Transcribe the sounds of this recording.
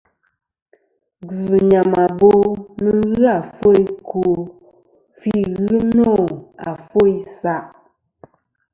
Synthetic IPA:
ɡɲa˨ma˨bo˦mə˦ɣɨ˦a˨fo˦i˦kʰu˨ | fi˦ɣɨ˦no˦˨a̰˨fo˦i˦sa˦˨ʔ

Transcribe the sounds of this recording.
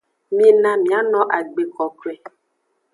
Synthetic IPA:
mĩ˨nã˨mĩ˨a˦nɔ̃˦ʔa˨ɡ͡be˨kɔ˨kwɛ˨

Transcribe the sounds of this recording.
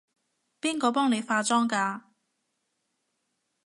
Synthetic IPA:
piː˥nkɔː˧pɔː˥ŋne˨˧jfaː˧t͡sɔː˥ŋkaː˧

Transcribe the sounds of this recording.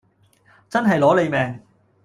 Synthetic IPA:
t͡sɐ˥nɦɐ˨jlɔː˨˥le˨˧jmɛː˨˩ŋ

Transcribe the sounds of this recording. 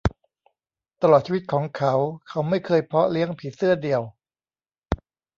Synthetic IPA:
t̪a˧lɔː˨˩t̪̚t͡ɕʰi˧wi˦˥t̪̚kʰɔː˩˦ŋkʰa˦˥wkʰa˦˥wma˥˩jkʰɤː˧jpʰɾɔ˦˥li˦˥əŋpʰiː˨˩sɯ˥˩ɐdi˨˩əw

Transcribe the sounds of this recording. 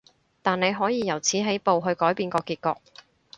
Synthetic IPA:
t̪aː˨ne˨˧jɦɔː˨˥jiː˨˧jɐ˨˩wt͡sʰiː˨˥ɦe˨˥jpo˨wɦɵ˧ɥkɔː˨˥jpiː˧nkɔː˧kiː˧t̚kɔ̰ː˧k̚

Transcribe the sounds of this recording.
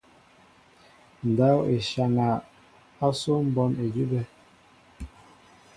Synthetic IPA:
n̩˨da˨˦we˨ʃa˨ŋa˨ | a˦so˦m̩˦bɔ˦ne˨d͡ʒi˦bɛ˦

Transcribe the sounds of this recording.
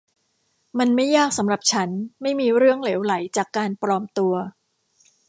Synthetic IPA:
ma˧nma˥˩jːaː˥˩k̚sa˩˦mɾa˨˩p̚t͡ɕʰa˦˥nma˥˩jmiː˧ɾɯ˥˩əŋleː˩˦wla˩˦jt͡ɕaː˨˩kːaː˧npɾɔː˧mt̪u˧ɐ

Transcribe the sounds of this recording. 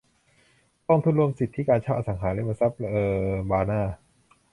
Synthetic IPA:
t̪ɔ˥˩ŋt̪ʰu˥˩nɾu˥˩əmsi˨˩t̪ʰːi˦˥kaː˧nt͡ɕʰaː˥˩wʔaː˧˩sa˩˦ŋɦaː˩˦lɛ˦˥˩ma˧sa˦˥p̚ɤː˧baː˧naː˥˩

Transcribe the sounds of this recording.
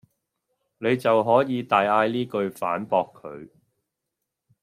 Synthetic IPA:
ne˨˧jt͡sɐ˨wɦɔː˨˥jiː˨˧t̪aː˨jaː˧jliː˥kɵ˧ɥfaː˨˥npɔː˧kʰːɵ̰˨˧ɥ

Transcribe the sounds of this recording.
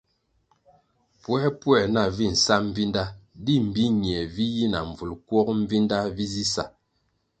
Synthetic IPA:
pwɛ˦pwɛ˨na˨vi˦˨n̩˨sa˦m̩˦vi˦nda˦di˦m̩˨bi˦ɲ˨ɛ˨vi˦ji˦na̰˨ɱ˨vu˨lkwɔ˦km̩˦vi˦nda˦vi˦zi˦sa˨

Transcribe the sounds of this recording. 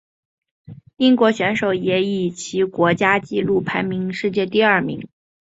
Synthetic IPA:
i˥ŋkwɔ˧˥ɕɥɛ˧˥nʂo˨˩ʊjɛ˧˥i˨˩t͡ɕʰi˧˥kwɔ˧˥t͡ɕja˥t͡ɕi˥˧lu˥˩pʰa˧˥ɪmi˧˥ŋʂɻ̩˥˧t͡ɕjɛ˥˧t̪i˥˧ɐ˞˥˩mḭ˧˥ŋ

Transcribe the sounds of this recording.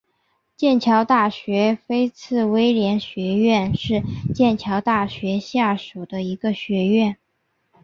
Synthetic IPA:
t͡ɕjɛ˥˩nt͡ɕʰjɑ˧˥ʊt̪a˥˩ɕɥɛ˧˥fe˥ɪt͡sʰɹ̩˥˩we˥ɪljɛ˧˥nɕɥɛ˧˥ɥɛ˥˧nʂɻ̩˥˧t͡ɕjɛ˥˩nt͡ɕʰjɑ˧˥ʊt̪a˥˩ɕɥɛ˧˥ɕja˥˩ʂu˨˩d̪ə˦i˧˥ɡə˧ɕɥɛ˧˥ɥɛ˥˩n

